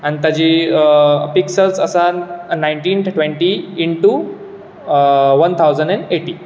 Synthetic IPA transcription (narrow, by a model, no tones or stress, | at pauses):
añit̪jad͡ʑi | piksəlt͡səsanajɳʈĩːnʈʈʋẽɳʈiːɳʈu | ʋənt̪ʰawd͡zəɳɖɛ̃ɳɖeʈi